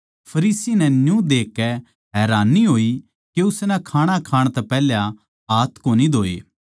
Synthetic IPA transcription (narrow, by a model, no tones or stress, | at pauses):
pʰɐɾiːsinɛnjũd̪eːkːɛ | ɦɛːɾaːnːiɦoːi | keʊsnɛkʰaːɽ̃akʰaːɽ̃t̪ɛpɛːlja | aːt̪ʰkoːnid̪ʱoːḛː